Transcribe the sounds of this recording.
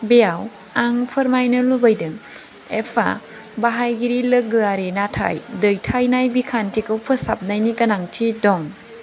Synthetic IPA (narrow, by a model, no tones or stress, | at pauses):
beaw | aŋpʰɯɾmajnɯlubajdɯŋ | epʰa̰ | baɦajɡiɾilɯɡɯaɾinatʰa̰jdɯjtʰajnajbikʰantʰikɯwpʰɯsap̚najnikɐnaŋtʰidɔŋ